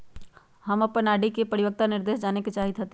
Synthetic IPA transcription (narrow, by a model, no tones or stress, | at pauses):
həmɐpːənaːɖikepɐɾɪʋək̚t̪anɪɾd̪eːʃd͡ʒaːneket͡ʃaːɦit̪ɦət̪e